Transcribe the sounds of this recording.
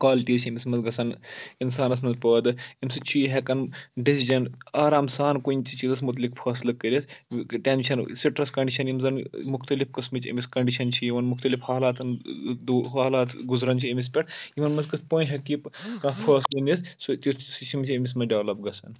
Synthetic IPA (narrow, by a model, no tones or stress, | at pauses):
kwaːliʈiːzt͡ʃʰɐmismɐzɡɐsɐninsaːnɐs̬mɐnzpəːd̪ɨimsɨt͡ʃʰiɦɐkɐnɖisid͡ʒɐnaːɾaːmsaːnkuinʲt͡ʃit͡ʃiːzɐs̬mut̪̬likpʰɐːslɨkːəɾʲisʈenʲʃʰɐnsiʈɾɐskɐɳɖiʃʰɐnimzɐnmukt̪ɐlifkɨsmɨt͡ʃɐ̰mʲiskɐɳɖiʃɐnt͡ʃʰijiʋɐnmuxt̪ɐlifhaːlaːt̪nd̪ɦaːlaːt̪ɡuzɾɐnt͡ʃʰiɐmis̬pʲɐʈiʋɐnmɐzkɨspoːnɦɐkːipkãpʰɐːslɨnissut̪ist͡ʃʰimt͡ʃʰiɐmʲis̬mɐɖeʋlɐp̚ɡɐsɐn